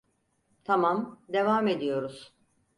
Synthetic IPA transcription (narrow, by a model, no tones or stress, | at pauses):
t̪ʰamamd̪e̞vaːme̞d̪ijo̞ɾuz̥